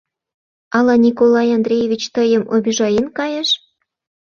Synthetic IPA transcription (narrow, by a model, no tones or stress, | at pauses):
ɑlˠɑnʲikolˠɑjɑnd̪rʲejevʲit͡ɕt̪ɤ̆jɤ̆mʔobʲiʒɑjenkɑjɤ̆ʃ